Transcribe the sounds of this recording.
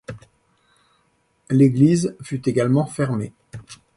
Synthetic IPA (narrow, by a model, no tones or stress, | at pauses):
leɡlizfyt̪eɡalmɑ̃fɛʁme